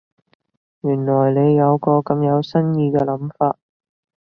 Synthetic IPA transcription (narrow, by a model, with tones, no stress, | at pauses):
jyː˨˩nlɔː˨˩jne˨˧jːɐ˨˧wkɔː˧kɐ˨˧mjɐ˨˧wsɐ˥njiː˧kɛː˧lɐ˨˥mfaː˧t̚